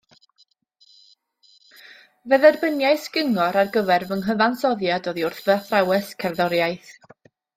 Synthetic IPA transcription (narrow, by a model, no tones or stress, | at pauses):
vɛðɛrbənjajsɡ̥ɪŋɔɾarɡəvɛrvəŋɦəvansɔðjadoːðiʊrθvɛθrawɛskʰɛrðɔɾjajθ